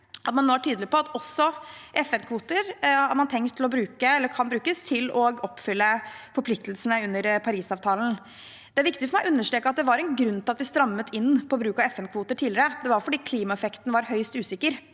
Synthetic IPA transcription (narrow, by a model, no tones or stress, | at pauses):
ʔɑt̪mɑnːoːæʈʰyːd̪lɪpɔɑt̪ɔsːɔʔɛfɛnkʰʋuːt̪əɾhɑæɾmɑnt̪ʰɛŋkt̪ʰːɪlɔbɾʉːkəɛlːəɾkʰɑnbɾʉːkəst̪ʰɪlɔɡɔpːfʏlːəfɔɾplɪkt̪lsənəʉnːəɾpʰɑɾiːsɑːʋt̪ʰɑːln̩ | d̪̥ɛæɾʋɪkt̪ɪfɔɾmæɪjʔʉnːəʂʈɾeːkəɑt̪̚d̪ɛʋɑɾɛnɡɾʉnːt̪ʰɪlɑt̪ʋɪst̪ɾɑmːət̪ʰɪnːpʰɔɔːbɾʉːkɑɛfɛnkʰʋuːt̪əʈʰiːlɪɾəd̪ɛʋɑɾfɔɖiːkʰliːmɑɛfɛkt̪n̩ʋɑɾɦœʏst̪ʉːsɪkːəɾ